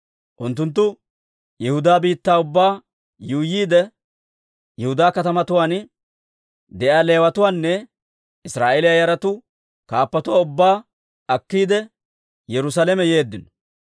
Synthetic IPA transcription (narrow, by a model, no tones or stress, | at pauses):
ʔʊnt̪ːʊnt̪̬ːʊ | jɛhʊd̪aːbiːt̪ːaːʊbːaː | juːjiːd̪ɛ | jɛhʊd̪aːkɐt̪ɐmɐt̪ʊwaːn | d̪ɛʔaːle̞ːwɐt̪ʊwaːnːɛ | ɪsɾaːʔelɪjajɐɾɐt̪ʊ | kaːpːɐt̪ʊwaːʊbːaː | ɐkːiːd̪ɛ | jɛɾʊs̬aːlɛmɛje̞ːd̪ːɪnɔ̥